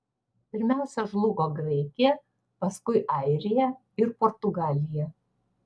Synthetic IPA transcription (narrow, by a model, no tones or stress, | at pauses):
pʲɪɾʲmʲæˑʊsʲɛʒlˠʊɡoːɡɾɛɪkʲɪjɛ | pɐskʊɪʔɑˑɪɾʲɪjɛ | ɪɾpɔːɾt̪ʊɡɑːlʲɪjɛ